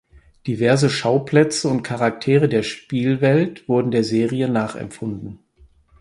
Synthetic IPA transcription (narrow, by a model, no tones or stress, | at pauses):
d̥ivɛɐzəʃaʊpl̥ɛt͡səʊnt̚kʰaʁak̚tʰeːʁədeːɐʃpiːlvɛltv̥ʊɐdn̩deːɐzeːʁiənaːχɛ̰mfʊndn̩